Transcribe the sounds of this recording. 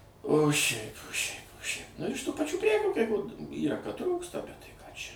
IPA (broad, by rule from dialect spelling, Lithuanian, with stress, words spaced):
oː ˈʃʲɛɪp oː ʃʲɛɪp oː ʃʲɛɪp nʊ ɪʃ tuː pɐˈt͡ʃʲuː ˈpʲrʲæːkʲuː kɐɪ koː ˈiːrɐ kɐt ˈtruːkstɐ ˈbʲɛt tɐɪ ˈkɑː ˈt͡ʃʲɛ